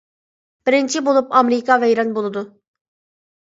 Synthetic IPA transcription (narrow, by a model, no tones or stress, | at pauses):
b̥iɾint͡ʃʰibolˠupamɾikʰavɛjɾanbolˠud̪ʊ